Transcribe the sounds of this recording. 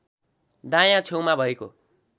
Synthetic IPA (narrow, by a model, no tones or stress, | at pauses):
d̪ãj̃ãt͡sʰew̃mabʱʌeko